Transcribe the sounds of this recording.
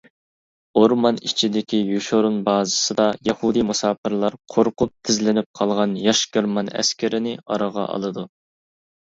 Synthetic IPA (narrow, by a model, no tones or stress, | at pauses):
oɾmɑnit͡ʃʰid̪ɪkʲʰijuʃoɾunbɑːzɨsɨd̪ɑjɑhud̪imusɑːpʰɨɾlˠɑɾqʰoɾqʊp̚t̪ʰɪzlɪnɪp̚qʰɑlˠʁɑnjɑʃkʲøɾmɑnɛ̰skʲʰɪɾɪnɪɑ̰ɾɑʁɑ̰ʔɑ̰lˠɨd̪u